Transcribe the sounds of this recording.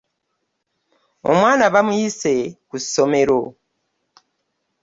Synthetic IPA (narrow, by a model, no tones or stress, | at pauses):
o̰mwaːnaβamujise̞kuso̞me̞ɾo